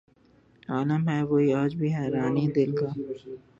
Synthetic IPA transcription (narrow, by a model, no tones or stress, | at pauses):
aːləmɦɛʋoːiaːd͡ʒbʱiɦɛːɾaːnid̪ɪlkaː